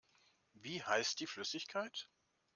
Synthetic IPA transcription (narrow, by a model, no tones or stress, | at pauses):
viːhaɪst̚d̥iːflʏsɪçkʰaɪt